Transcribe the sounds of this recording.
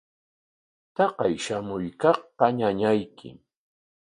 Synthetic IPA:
t̪ɑqɑjʃamʊjkɑχqɑɲaɲajkʰɪ̰

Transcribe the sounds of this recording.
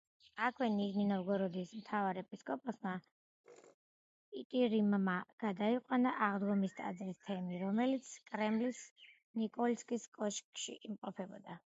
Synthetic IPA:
akʰwɛniʒninɔvɡɔɾɔd̪ismt̪ʰavaɾɛpʼiskʼɔpʼasma | it̪ʼiɾimmaɡ̥ad̪aiqʼwanaʔaʁd̪ɡɔmist̪ʼa̰d̪zɾist̪ʰɛmiɾɔmɛlit̪sʰkʼɾɛmlis | nikʼɔlskʼiskʼɔʃkʼʃḭʔimqʼɔpʰɛbɔ̰d̪a

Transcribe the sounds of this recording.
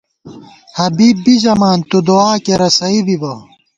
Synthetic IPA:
hɐbiːbːizɐmaːnt̪ud̪oaːkeɾɐsɐibibɐ

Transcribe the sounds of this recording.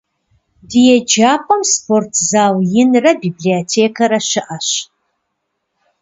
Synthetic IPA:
dijɛd͡ʒaːpʰʼɐmspʰortʰzaːwjɪnrɐbiːbliotʰeːkʰɐɾɐɕɪʔɐɕ

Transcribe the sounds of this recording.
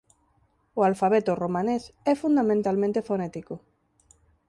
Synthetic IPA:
ʊalfaβɛt̪ʊromãnesɛfund̪amẽnt̪almẽnt̪efonɛt̪iko

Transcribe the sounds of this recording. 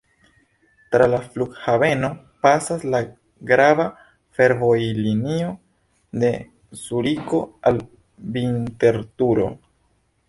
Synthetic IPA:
tɾalafluɡhave̞no̞ | pasasla | ɡɾava | fe̞ɾvo̞jlinio̞ | de̞ | suɾiko̞al | binte̞ɾtuɾo̞̰

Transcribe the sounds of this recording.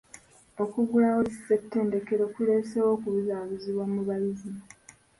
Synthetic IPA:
o̞kuɡulawosi̥setːe̞ːnde̞keɾokule̞ːsewo̞ːkuβuzaːβuziβwamːuβalizim

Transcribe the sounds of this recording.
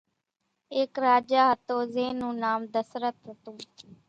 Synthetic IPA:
eːkɾaːd͡ʒaːɦət̪oːzeːnũːnaːmd̪əsɾət̪ɦət̪ũː

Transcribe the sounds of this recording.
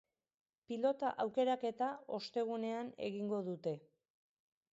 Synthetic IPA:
pilo̞t̪aʔawke̞ɾake̞t̪ao̞st̪e̞ɣ̞une̞ane̞̰ɣiŋɡo̞ðut̪e̞

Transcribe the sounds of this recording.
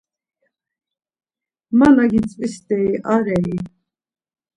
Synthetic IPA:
manaɡit͡sʼpʼisd̪ɛiʔaɾɛi

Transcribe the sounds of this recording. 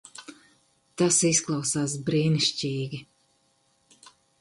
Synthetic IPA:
t̪asisklˠɑwsaːs̬bɾiːniʃcʲiːɡʲi

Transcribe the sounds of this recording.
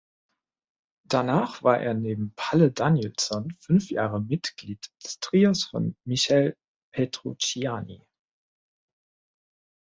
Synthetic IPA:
d̥anaːχv̥aːɐʔḛːɐneːbm̩pʰalədanjɛlsɔnfʏnfja̰ːʁəmɪtɡ̥liːtd̥ə̥stʁ̥iːosfɔ̰nmiʃɛl | pʰetʁ̥ot͡ʃianḭ

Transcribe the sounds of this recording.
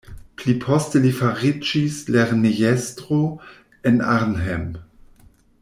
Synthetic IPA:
plipʰostelifaʁid͡ʒisleʁnijestɾo | ena̰ʁnɦem

